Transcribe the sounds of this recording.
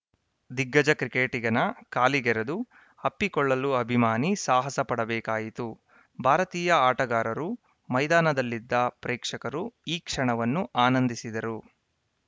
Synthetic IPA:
d̪iɡːɐd͡ʒɐkɾikeːʈiɡɐnɐkaːliɡɛɾɐd̪u | ɐpːikɔɭːɐluɐbʱimaːnisaːɦɐsɐpɐɽɐbɛːkaːjit̪u | bʱaːɾɐt̪iːjɐaːʈɐɡaːɾɐɾu | mɐjd̪aːnɐd̪ɐlːid̪ːɐpɾɛːkʂɐkɐɾuiːkʂɐɳɐʋɐnːuʔaːnɐnd̪isid̪ɐɾu

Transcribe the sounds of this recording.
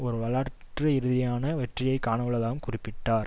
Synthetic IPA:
ɔɾɯʋɐɭaːɾʈrɐɪɾɯðɪjaːnɐʋɛʈrɪjɐɪkaːɳɐʋɐɭːɐlaːʋɯmkʊrɪpːɪʈːaːɾ

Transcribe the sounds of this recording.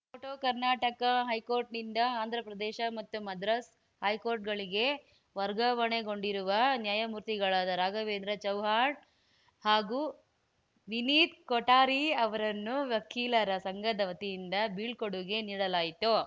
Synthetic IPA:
oːʈoːkɐɾnaːʈɐkɐɦɐjkoːɾʈnind̪ɐaːnd̪ʱɾɐpɾɐd̪ɛːʃɐmɐt̪ːumɐd̪ɾɐs | hɐjkoːɾʈ̚ɡɐɭiɡe | ʋɐɾɡɐʋɐɳeɡo̞ɳɖiɾuʋɐnjaːjɐmuːɾt̪iɡɐɭaːd̪ɐɾaːɡɐʋeːnd̪ɾɐt͡ʃɐwɦaːʈ | haːɡuː | ʋiniːt̪koʈaːɾiɐʋɐɾɐnːuʋjɐkʰːiːlɐɾɐsɐŋɡɐd̪ɐʋɐt̪ijind̪ɐbiːɭkoɽuɡe̞niːɽɐlaːjit̪u

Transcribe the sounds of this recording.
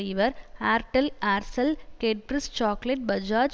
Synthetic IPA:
ɪʋɐɾaːɾʈɐlaːɾsɐlkeːʈpɾɪst͡ʃaːkleʈ̚bɐd͡ʒaːd͡ʒ

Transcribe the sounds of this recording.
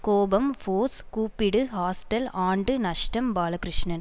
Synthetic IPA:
koːbɐmfoːskuːpːɪɽɯhaːsʈɐlaːɳɖɯnɐʂʈɐmbaːlɐkɾɪʂɳɐn

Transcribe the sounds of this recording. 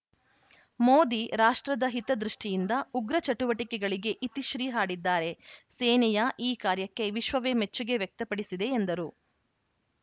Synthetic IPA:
moːd̪iɾaːʂʈɾɐd̪ɐɦit̪ɐd̪ɾuʂʈijind̪ɐuɡɾɐt͡ʃɐʈuʋɐʈikɛɡɐɭiɡe̞ʔit̪iʃɾiːɦaːɽid̪ːaːɾe̞seːnɛjɐʔiːkaːɾjɐkːe̞ʋiʃʋɐʋeːmet͡ʃːuɡe̞ʋjɐk̚t̪ɐpɐɽisid̪e̞ːnd̪ɐɾu

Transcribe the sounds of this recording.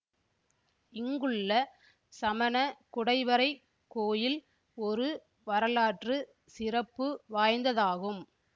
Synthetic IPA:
ɪŋɡɯɭːɐ | sɐmɐnɐkʊɽɐɪʋɐɾɐɪ | kːoːjɪl | ɔɾɯ | ʋɐɾɐlaːʈrɯ | sɪrɐpːɯʋaːjnd̪ɐðaːɣɯm

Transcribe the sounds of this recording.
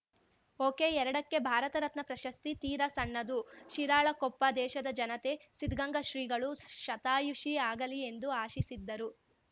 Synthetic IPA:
oːkeːɛɾɐɽɐkːe̞bʱaːɾɐt̪ɐɾɐt̪nɐpɾɐʃɐst̪it̪iːɾɐsɐɳːɐd̪uʃiɾaːɭɐkɔpːɐd̪ɛːʃɐd̪ɐd͡ʒɐnɐt̪e̞sid̪ɡɐŋɡɐʃɾiːɡɐɭuʃɐt̪aːjuʂiaːɡɐlie̞nd̪uaːʃisid̪ːɐɾu

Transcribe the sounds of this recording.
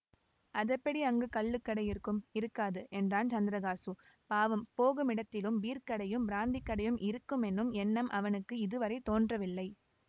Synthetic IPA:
ʔɐðɐpːɐɽiɐŋɡɯkɐɭːɯkːɐɽɐɪjɪɾɯkːɯmɪɾɯkːaːðɯʔɛndraːnt͡ʃɐnd̪ɪɾɐɣaːsɯ | paːʋɐmpoːɣɯmɪɽɐt̪ːɪlɯmʋiːɾkɐɽɐjɯmbɪɾaːnd̪ikːɐɽɐjɯmʔɪɾɯkːɯmɛnːɯmɛnːɐmʔɐʋɐnɯkːɯɪðɯʋɐɾɐɪt̪oːndrɐʋɪlːɐɪ

